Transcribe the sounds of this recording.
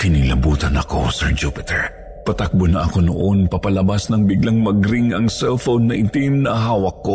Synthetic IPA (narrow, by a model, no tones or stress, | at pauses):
kɪnilɐbuːt̪ɐnɐko̞̰sɛɹd͡ʒupɪt̪ɛɹ | pɐt̪ak̚bonɐʔɐko̞no̰ʔo̞npɐpɐlɐbasnɐŋbɪɡlaŋmɐɡɾiŋɐŋsɛlfownːɐʔɪt̪innːɐʔɦaːwɐkːo̞